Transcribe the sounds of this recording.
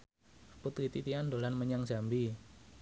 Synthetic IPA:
put̪ɾit̪it̪iandolanməɲaŋsambi

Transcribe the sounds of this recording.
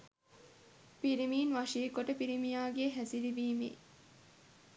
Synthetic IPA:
piɾimiːnʋɐʂiːkoʈəpiɾimijaːɡeɦæsilibiːmḛː

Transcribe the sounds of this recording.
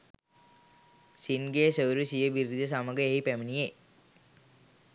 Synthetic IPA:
sinɡeːsəwɾisijəbiɾid̪əs̬aməɡəeipæminije

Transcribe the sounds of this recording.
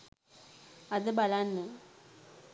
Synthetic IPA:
ɐðɨbɐlaːnːɨ

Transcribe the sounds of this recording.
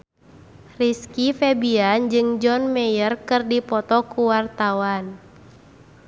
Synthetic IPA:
riskifɛbiand͡ʒɨŋd͡ʒɔnmɛjərkɨrdipɔt̪ɔkuwart̪awan

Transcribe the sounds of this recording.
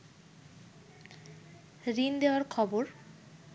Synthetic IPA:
ɾind̪eoaɾkʰɔboɾ

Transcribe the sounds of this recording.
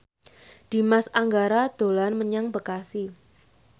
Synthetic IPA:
d̥i̤masaŋɡaɾad̪̥o̤lanməɲaŋbəkasi

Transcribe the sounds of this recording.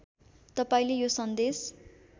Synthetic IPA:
t̪ʌpãĩlejosʌnd̪es

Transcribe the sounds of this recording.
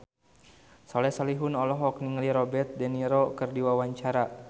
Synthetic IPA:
sɔlɛsaliɦunɔlɔɦɔkniŋliɾɔbɛrt̪̚dɛniɾɔkɨrdiwawaɲt͡ʃaɾa

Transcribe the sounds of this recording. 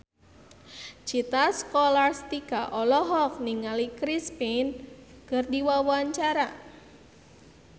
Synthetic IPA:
t͡ʃit̪askɔlarst̪ikaʔɔlɔɦɔk̚niŋalikɾispin | kərdiwawaɲt͡ʃaɾa

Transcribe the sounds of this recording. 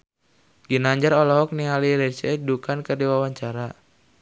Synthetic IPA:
ɡinaɲd͡ʒaɾɔlɔɦɔk̚niŋaliɾɛt͡ʃɛdukankərdiwawaɲt͡ʃaɾa

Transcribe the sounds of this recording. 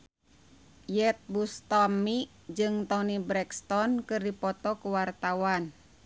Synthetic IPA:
jɛt̪̚bust̪ɔmi | d͡ʒɨŋt̪ɔnibɾɛkst̪ɔnkɨrdipɔt̪ɔkuwart̪awan

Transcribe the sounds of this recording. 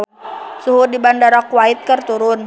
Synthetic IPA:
suɦudibandaɾɔkwait̪̚kərt̪uɾʊn

